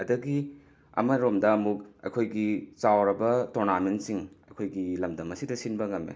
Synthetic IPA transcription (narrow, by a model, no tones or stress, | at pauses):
ɐdɐɡi | ɐ̰mɐɾomdɐːmuk̚ɐ̰jkʰojɡit͡ʃawɾɐbɐtoɾnamensiŋɐjkʰojɡilɐmdɐmɐsidɐsinbɐŋɐmḛ